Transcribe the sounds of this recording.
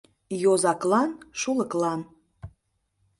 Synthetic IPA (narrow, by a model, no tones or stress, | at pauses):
jozɑklɑnʃuləklɑn